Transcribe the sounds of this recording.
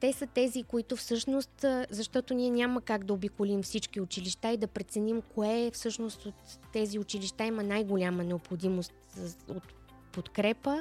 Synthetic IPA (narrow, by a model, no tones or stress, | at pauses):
t̪ɛsət̪ɛzikoit̪ofsɤʃnost̪ːzɐʃt̪ɔt̪onʲiɛnʲaməkaɡd̪ɐobikolʲimfsit͡ʃk̟iʊt͡ʃiliʃt̪aid̪ɐpɾɛt̪sɛnimkoɛfsɤʃnost̪ot̪ːɛziʊt͡ʃiliʃt̪aimɐnajɡolʲamənɛopxod̪imost̪ot̪ | pot̪kɾɛpə